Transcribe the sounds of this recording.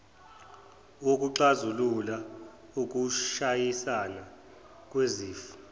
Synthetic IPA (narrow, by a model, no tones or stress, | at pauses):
ok̬ʼuǀazulula | uk̬ʼuʃajisala | k̬ʼweziːfu̥